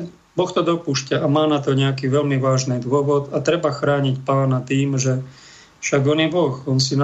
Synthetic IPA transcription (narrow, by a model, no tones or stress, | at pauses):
bɔxt̪ɔd̪ɔpuːʃcaʔamaːnat̪ɔɲɛakiːʋɛʎmiʋaːʒniːd̪ʊɔʋɔd̪at̪ɾɛbaxɾaːɲicpaːnat̪iːmʒɛ | fʃaɡɔnjɛbɔxɔnsina